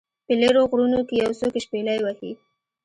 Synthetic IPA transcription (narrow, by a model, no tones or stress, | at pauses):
pəleɾoɣɽunokejawsokeʃpelajwahḭ